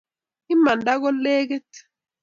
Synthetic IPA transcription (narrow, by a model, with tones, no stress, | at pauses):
i˦ma˨nda˦ɣɔ˦lɛ˦kɛ˦t